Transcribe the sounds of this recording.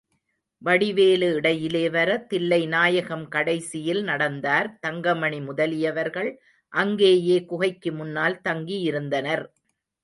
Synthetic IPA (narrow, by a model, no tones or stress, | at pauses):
ʋɐɽɪʋeːlɯɪɽɐjɪleːʋɐɾɐt̪ɪlːɐɪnaːjɐɣɐmkɐɽɐɪsɪjɪlnɐɽɐnd̪aːɾt̪ɐŋɡɐmɐɳimʊðɐlɪjɐʋɐɾɣɐɭ | ʔɐŋɡeːjeːkʊɣɐɪkːɯmʊnːaːlt̪ɐŋɡijɪɾɯnd̪ɐnɐɾ